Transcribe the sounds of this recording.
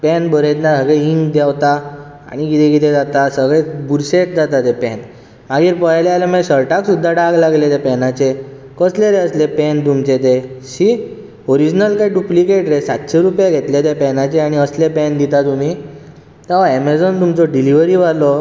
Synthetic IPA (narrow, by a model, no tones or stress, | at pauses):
pɛnbʱəɾet̪nasəɡɭeiŋɡd̪jawt̪a | a̰ɽ̃ikit̪ʰekit̪ed͡zat̪asəɡɭebuɾsekd͡zat̪at̪epɛn | maɡiːɾpəjlealemɛ̃səɾʈaksud̪ʱːaɖaɡlaɡlet̪epɛnat͡se | kəsleɾeəslepɛnt̪̬umt͡set̪eɕi | oɾid͡ʑnəlkajɖuplikeʈɾesat̪ɕeɾupjaɡʱet̪let̪epɛnat͡ɕeaɽ̃iəslepɛnd̪it̪at̪um̤iː | t̪aʋaɛmed͡zont̪umt͡sɔɖiliʋəɾiʋaɾlɔ